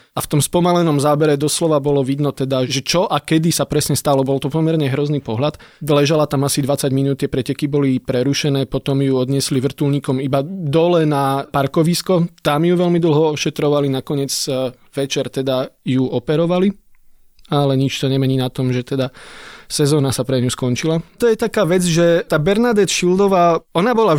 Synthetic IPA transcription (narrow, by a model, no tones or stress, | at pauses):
aft̪ɔmspɔmalɛnɔmzaːbɛɾɛd̪ɔslɔʋabɔlɔʋid̪nɔt̪ɛd̪aʒɛt͡ʃɔʔakɛd̪isapɾɛsɲɛst̪alɔbɔlt̪ɔpɔmɛɾɲɛɦɾɔzniːpɔɦʎat̪lɛʒalat̪amasid̪ʋat͡saɟminuːt̪ːɪɛpɾɛcɛkibɔlipɾɛɾuʃɛnɛːpɔt̪ɔmjuɔd̪ɲɪɛsliʋr̩t̪ulɲiːkɔmibad̪ɔlɛnapaɾkɔʋiskɔt̪amjuʋɛlmid̪l̩ˠɦɔɔʃɛt̪ɾɔʋalinakɔɲɪɛd͡z | ʋɛt͡ʃɛɾt̪ɛd̪ajuʔɔpɛɾɔʋali | alɛɲit͡ʃt̪ɔɲɛmɛɲiːnat̪ɔmʒɛt̪ɛd̪asɛzɔːnasapɾɛɲuskɔnt͡ʃilat̪ɔjɛt̪akaːʋɛd͡zʒɛt̪aːbɛɾnad̪ɛt͡sʃild̪ɔʋaːɔnabɔla